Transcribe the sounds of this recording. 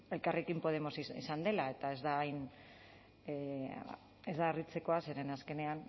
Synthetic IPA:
e̞lkarekimpo̞ð̞e̞mo̞siḭsand̪e̞lae̞t̪ae̞zd̪ajn | e̞zd̪aːrit͡se̞ko̞aseɾenaske̞ne̞an

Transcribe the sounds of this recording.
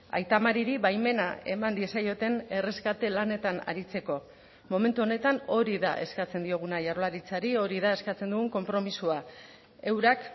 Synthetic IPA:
a̰jt̪amaɾiɾiβajme̞na̰e̞mand̪ie̞sajo̞t̪e̞ne̞re̞skat̪e̞lane̞t̪ana̰ɾit͡se̞ko̞ | mo̞me̞nt̪uo̞ne̞t̪ano̞ɾiða̰ʔe̞skat͡se̞nd̪io̞ɣ̞unaʝarolaɾit͡saɾio̞ɾiðae̞skat͡se̞nd̪uɣuŋko̞mpɾo̞misua | e̞wɾak

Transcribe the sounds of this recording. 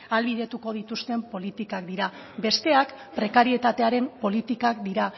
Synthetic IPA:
alβið̞e̞t̪uko̞ð̞it̪ust̪e̞mpo̞lit̪ikakd̪iɾa | be̞st̪e̞ak | pɾe̞kaɾie̞t̪at̪e̞aɾe̞mpo̞lit̪ikakd̪iɾa

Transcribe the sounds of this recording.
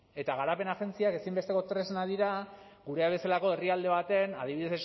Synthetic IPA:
e̞t̪aɣ̞aɾape̞naxe̞nt͡siake̞simbe̞st̪e̞ko̞t̪ɾe̞znaðiɾaɡuɾe̞aβe̞salako̞e̞riald̪e̞β̞at̪e̞nað̞iβiðeses

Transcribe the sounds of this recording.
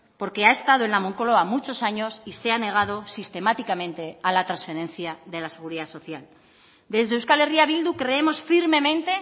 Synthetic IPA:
po̞ɾke̞ae̞st̪að̞oe̞nlamoŋkoloamut͡ʃo̞saɲo̞sise̞ane̞ɣ̞að̞o̞sist̪e̞mat̪ikamẽ̞nt̪e̞alat̪ɾansfe̞ɾẽ̞n̟θjaðe̞lase̞ɣ̞uɾiðasoθjal | d̪e̞zðewskaleriaβild̪ukɾe̞e̞mo̞sfiɾme̞mẽ̞nt̪e̞

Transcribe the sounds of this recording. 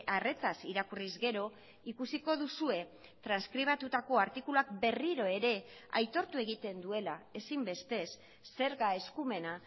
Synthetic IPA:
are̞t͡sasiɾakurizɣe̞ɾo̞ | ikusiko̞ðusue̞ | t̪ɾanskɾiβ̞at̪ut̪ako̞aɾt̪ikuluakbe̞riɾo̞e̞ɾe̞a̰jt̪o̞ɾt̪ue̞ɣ̞it̪e̞nd̪ue̞lae̞simbe̞st̪e̞sː | e̞ɾɣae̞skume̞na

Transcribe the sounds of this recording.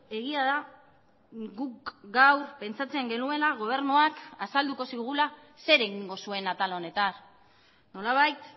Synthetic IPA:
e̞ɣ̞iaða | ɡukɡawɾpe̞nt͡sat͡se̞ŋɡe̞nue̞laɣ̞o̞β̞e̞ɾnuakasald̪uko̞siɣ̞ula | se̞ɾe̞ɣiŋɡo̞sue̞nat̪alaone̞t̪an | no̞laβ̞ajt̪

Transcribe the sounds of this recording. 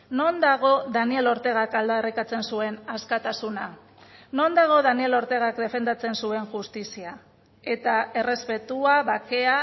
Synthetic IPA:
no̞nd̪aɣ̞o̞ðanie̞lo̞ɾt̪e̞ɣ̞akald̪aerikat͡se̞nsue̞naskat̪asuna | no̞nd̪aɣ̞o̞ðanie̞lo̞ɾt̪e̞ɣ̞akd̪e̞fe̞nd̪at͡se̞nsue̞nʝust̪isia | e̞t̪ae̞re̞spe̞t̪uaβake̞a

